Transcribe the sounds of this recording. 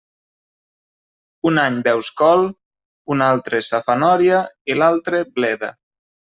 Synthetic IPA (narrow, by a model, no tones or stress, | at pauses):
unaɲbɛwskɔlˠ | unalˠt̪ɾesafanɔɾjailalˠt̪ɾeblɛða̰